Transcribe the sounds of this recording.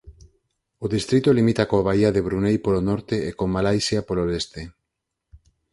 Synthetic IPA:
oðist̪ɾit̪olimit̪akoaβaiaðeβɾunejpolonɔɾt̪eekomalajsjapoloest̪e

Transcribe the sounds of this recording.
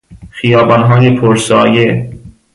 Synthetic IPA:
xijɒːbɒnɦɒːjepʰoɾsɒːje

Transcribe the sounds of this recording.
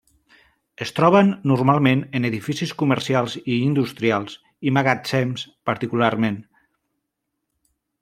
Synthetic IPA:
əst̪ɾɔβənːurmalˠmenəneðifisiskuməɾsialˠziːnd̪ust̪ɾialˠz̥ | imaɣasɛmspəɾt̪ikularmen

